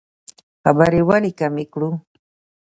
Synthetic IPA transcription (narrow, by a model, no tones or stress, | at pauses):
habaɾɪwaɾɪkamɪkɾu